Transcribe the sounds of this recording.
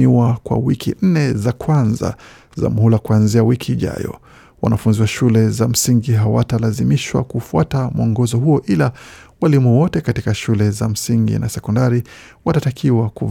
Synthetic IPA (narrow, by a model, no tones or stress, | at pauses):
iwakwa̰wikʰin̩nɛzakwanza̰ | za̰m̩hulakuanziawikʰiːʄa̰jɔ̰ | wa̰nafunziwaʃulɛzam̩siŋɡiɦawatalazimiʃwa̰kufuatamɔŋɡɔzɔhuɔʔila | walimuwɔtɛkatikaʃulɛzam̩siŋɡḭnasɛkɔndaɾi | watatakʰiwaku